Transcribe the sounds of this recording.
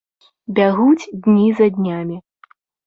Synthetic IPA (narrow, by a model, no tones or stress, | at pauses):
bʲaɣut͡sʲd̪ʲnʲizɐd̪ʲnʲamʲi